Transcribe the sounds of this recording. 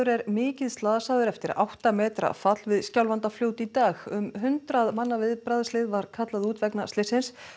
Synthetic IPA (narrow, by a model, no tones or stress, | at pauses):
ʏɾɛɾmɪːcɪðst̪laːðasaːðʏɾɛft̪ɪɾa̰wht̪amɛːt̪ɾa̰fat̪lvɪðscawlvant̪afljoːwt̪it̪aːɣʏmɦʏnt̪ɾaðmanːavɪðpɾaðslɪðvaɾ̥kʰat̪laðuːt̪vɛknast̪lɪsɪns